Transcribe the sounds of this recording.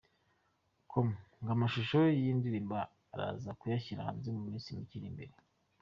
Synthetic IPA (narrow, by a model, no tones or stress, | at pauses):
kʰomŋɡamaʃuʃojiːndiɾiːmbaː | ɾa̰ːzakujaçiɾa̰ha̰nzemumiːnsimiciɾimbe̞̰ɾe̞